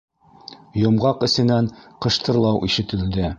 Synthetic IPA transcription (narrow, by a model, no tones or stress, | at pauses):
jŏmʁɑqɘ̆sɘ̆nænqɤ̆ʃt̪ɤ̆ɾlˠɑwʔiʃɘ̆t̪ɘ̆ld̪ɘ